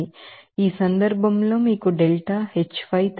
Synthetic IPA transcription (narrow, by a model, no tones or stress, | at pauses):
iiːsɐnd̪ɐɾbʱɐmlo̞ːmiːkuɖelʈaːhet͡ʃːpɐjt̪